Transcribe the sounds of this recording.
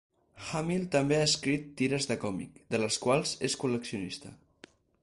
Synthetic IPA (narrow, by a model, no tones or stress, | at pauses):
xamilˠt̪əmbeaəskɾit̪ːiɾəzðəkɔmḭkd̪ələskwalˠzeskuləksiunist̪ə̰